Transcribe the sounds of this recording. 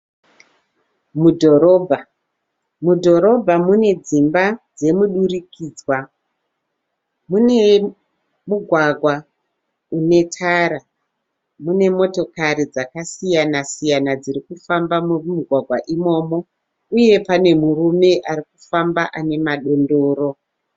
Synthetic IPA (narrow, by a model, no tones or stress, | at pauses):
mudʱo̞ɾo̞bʱa | mudʱo̞ɾo̞bʱamune̞d͡zimbad͡ze̞muɗurikiːd͡zwa | mune̞ | muɡʱwaɡʱwa | une̞tʰaɾa | mune̞mo̞to̞kaɾid͡zakasijanasijanad͡ziɾikufambammuɡʱwaɡʱwaʔimo̞ːmo̞ | uje̞pane̞murume̞ʔaɾikufambaʔane̞maɗo̞ndoːɾo̞